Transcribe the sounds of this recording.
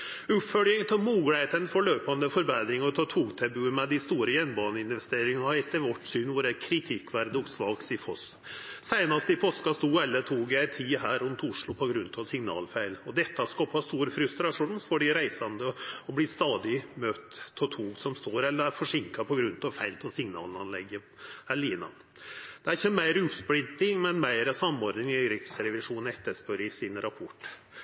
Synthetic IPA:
ʉpfœljəŋt̪ʰɛmuːɡəlet̪ənfɔɭøːpɑnd̪əfɔɾbeːd̪ɾɪŋəɔt̪ʰɔt̪ʰuːɡt̪ʰɛbʉːənmɛd̪ɪst̪uːɾəjɛnbɑːnəɪnʋɛst̪eːɾɪŋəɑɛt̪ːəɾʋɔʈːsyːnʋʊɾækʰɾɪt̪ʰɪkːʋæɾd̪əɔɡsʋɑːksɪfʰɔs | sæɪnɑst̪əɪpʰoːskɑst̪uːɛlːət̪ʰuːɡjæɪt̪ʰiːɦæːɾʊmt̪ʊʂɭʊpʰɔɡɾʉnːt̪ʰɑsɪŋnɑ̰ːlfæɪlɔd̪ɛt̪ːɑskɑpʰɑst̪uːɾfɾʉst̪ɾɑʂuːnfɔɖɪɾæɪsɑnd̪əɔblɪst̪ɑːd̪ɪmøːt̪ʰːɔt̪ʰuːɡsɔmst̪oːɾɛlːəɾæɾfɔʂɪŋkɑpʰɔɡɾʉnt̪ʰɑʋfæɪlt̪ʰɛlsɪŋnɑ̰ːlnɑnlɛɡːə | æɭiːnɑ̰ | d̪̥ɛæɾɪçːəmæɪɾʉpsblɪnt̪ɪŋmɛnmæɪɾɑsɑmːɔːɾnɪŋɪɾɪksɾɛʋɪʂuːnɛt̪ːəʂpœɾɪsɪnɾɑpʰɔʈː

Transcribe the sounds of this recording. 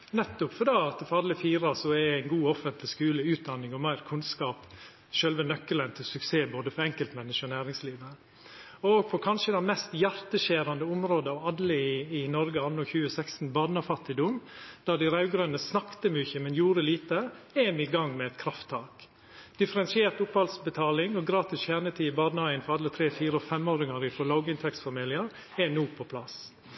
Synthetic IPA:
nɛt̪ːɔpfɔɾd̪ɑːt̪ɛfɑd̪ləfiːɾɑsɔɛæɪnɡuːɔfːənt̪lɪskʉːləʉːt̪̚d̪ɑnːɪŋɔmæɪɾkʰʉnskɑːp | ʃœlʋənœkːələnt̪ʰɪlsʉkseːboːd̪əfɔɾɛŋkəlt̪mɛnːɪʂənæːɾɪŋsliːʋə | ɔɡ̚pʰɔkʰɑnʂəd̪ɛnmɛst̪jæɾt̪əʃeːɾɑnd̪əʊmɾoːd̪əɑʋɑd̪ləɪɪnɔɾɡəɑnːɔçʉːəsɛkst̪n̩bɑd̪nɑfɑt̪ːɪd̪ʊmd̪̥ɑːd̪ɪɾɑʉɡɾøːnəsnɑkt̪əmʏçəmɛnjuːɾəliːt̪əɛmɪɡɑŋːmɛɛt̪̚kʰɾɑft̪ʰːɑːk | d̪̥ɪfəɾɛnsɪeːɾt̪ʊphɑlsbət̪ʰɑːlɪŋɔɡɾɑːt̪ɪsçæːnət̪ʰiːɪbɑːd̪nɑɪənfɔɾɑd̪ət̪ʰɾeːfiːɾəɔfɛmoːɾɪŋɑɾɪfɔlɑʊɡɪnt̪ʰɛksfɑmiːlɪəɾ | ɛnuːpʰɔpʰlɑs

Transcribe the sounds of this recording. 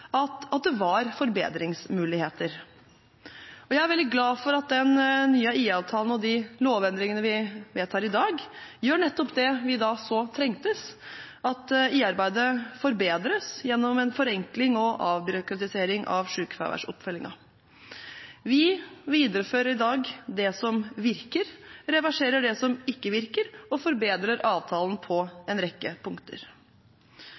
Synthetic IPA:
ɑt̪ɑt̪̚d̪ɛʋɑɾfɔɾbḛːd̪ɾɪŋsmʉːlɪheːt̪əɾ | ɔjæɪæɾʋɛld̪ɪɡlɑːfɔɾɑt̪̚d̪ɛnnyːəʔiːɑːʋt̪ʰɑːlənɔd̪ɪloːʋɛnd̪ɾɪŋənəʋɪʋeːt̪hɑːɾɪd̪ɑːɡjøːɳɛt̪ːɔpd̪ɛʋɪd̪ɑsɔt̪ʰɾɛŋt̪əsʔɑt̪iːɑɾbæɪd̪əfɔɾbeːd̪ɾəsjɛnːɔmɛnfɔɾɛŋklɪŋɔʔɑːʋbʏɾʊkɾɑt̪ɪseːɾɪŋʔɑ̰ʋʂʉːkfæ̰ʋæ̰ʂɔ̰pfœlɪŋɑ̰ | ʋɪʋiːd̪əɾəføːɾəɾɪd̪ɑːɡd̪ɛsɔmʋɪɾkəɾɾɛʋæʂeːɾəɖɛsɔmɪkːəʋɪɾkəɾɔfɔɾbeːd̪ɾəɾɑːʋt̪ʰɑːln̩pʰɔɛnɾɛkːəpʰʊŋkt̪ʰə̰ɾ

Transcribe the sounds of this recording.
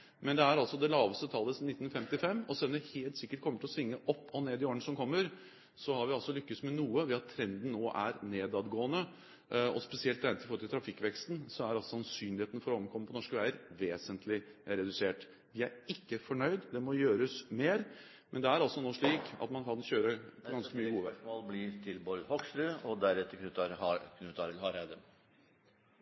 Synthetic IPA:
mɛnd̪ɛæɾɑlsɔd̪ɛlɑːʋəst̪ət̪ʰɑlːəsnɪt̪ːnfɛmt̪ɪfɛmːɔsɛlːɔmd̪ɛheːlt̪sɪkːəʈ̚kʰɔməʈʰɪlɔsʋɪŋːəʔɔpːɔneːd̪ɪoːɾəɳsɔmkʰɔmːəɾ | sɔhɑɾʋɪɑlsɔlʏkːəsmɛnuːəʋɛɑt̪ʰːɾɛnd̪n̩ːoːʔæ̰ɾneːd̪ɑd̪ɡoːənə | ɔspɛsɪɛlt̪ʰːɾɛnɪfɔɾɔlʰɪlt̪ʰɾɑfɪkːʋɛkst̪nsɔæɾɑlsɔsɑnsyːnlɪheːt̪ənəfɔɾɔməkʰɔməpʰɔnɔʂkəʋæɪəɾʋeːsənt̪ʰlɪɾɛd̪ʉseːʈ | ʋɪæɾɪkːəfɔɳœʏd̪d̪ɛmɔjøːɾəsmeːɾ | mɛnd̪ɛæɾɑlsɔnoːʂɭiːkɑ̰t̪mɑnkɑnçøːɾəpʰɔɡɑnskəmyːəɡuːəʋmoːlblɪɾt̪ʰɪlbɔlhɔksɾʉːɔd̪æɾɛt̪ːəɾkʰnʉːt̪ɾkʰnʉːt̪ɑɾlhɑɾæd̪ə

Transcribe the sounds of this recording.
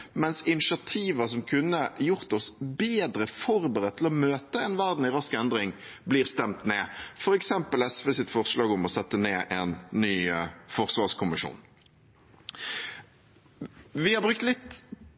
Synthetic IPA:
mɛnsɪnɪʂɑt̪ʰiːʋəsɔmkʰʉnːəjʊʁt̪ɔsbeːd̪ɾəfɔʁbəʁɛt̪t̪ʰːlɔmøːt̪əɛnʋæɾʁd̪n̩ɪʁɑskɛnd̪ɾɪŋbliːʁst̪ɛmt̪neːfɔɾɛksɛmpəlɛsfəsɪt̪ːfɔʁslɑːɡʊmɔsɛt̪ːəneːʔɛnːyːfɔʁsʋɑːʁskʰʊmɪʂṵːn | ʋɪhɑbʁʉk̚t̪lɪt̪

